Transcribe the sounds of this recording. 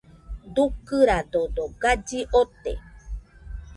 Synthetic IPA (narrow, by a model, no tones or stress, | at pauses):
d̪ukɨɾad̪od̪oɡad͡ʒiʔot̪ḛ